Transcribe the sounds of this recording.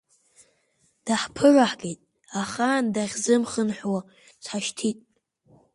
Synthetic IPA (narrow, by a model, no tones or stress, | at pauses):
d̥aħpʰɨraħɡʲejtʼ | aχandaʁʲzɨmχənħwa | t͡sʷʰħaʃtʰitʼ